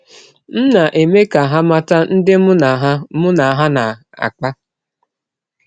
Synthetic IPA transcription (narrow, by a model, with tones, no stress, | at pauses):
n̩˦na˨ʔe˨me˦ka˨ɦa˦ma˦ta˦n̩˦dɪ˦m˦na˨ɦa˦mʊ˦na˨ɦa˦na˨ | a̰˨k͡pa˦